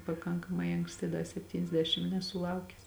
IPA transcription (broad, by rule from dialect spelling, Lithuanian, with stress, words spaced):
pɐˈkɐŋkɐmɐɪ ɐŋksʲˈtʲɪ ˈdɐ sʲɛpʲˌtʲiːnʲɛzʲˈdʲæːʃʲɪm nʲɛsʊˈlˠɐʊkʲɛs